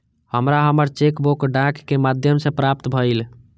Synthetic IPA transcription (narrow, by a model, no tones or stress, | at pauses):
həmɾaɦəməɾt͡ʃekbokɖãkːemad̪ʱjəmsẽpɾap̚t̪bʱəl